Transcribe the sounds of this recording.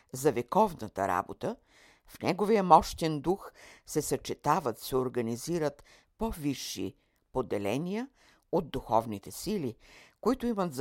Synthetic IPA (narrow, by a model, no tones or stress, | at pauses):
zɐvɛkɔvnət̪ə̰ɾa̰bot̪ə | fnɛɡovijəmɔʃt̪ɛnd̪uxsɛsɐt͡ʃɛt̪avət̪sɛoɾɡɐniziɾət̪ | poviʃːḭ | pod̪ɛlɛnijə | od̪̚d̪uxɔvnit̪ɛsilikoit̪ʊimət̪z